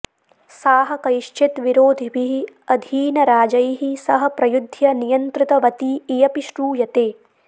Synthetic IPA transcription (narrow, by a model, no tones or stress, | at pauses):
saːɦɐ̆kɐjiʃt͡ʃʰit̪ʋiɾoːd̪ʱibiɦiɐd̪ʱiːnɐɾaːd͡ʒɐjɦisɐɦɐ̆pɾɐjud̪ʱjɐnijɐnt̪ɾit̪ɐʋɐt̪iːjɐpiʃɾuːjɐt̪eː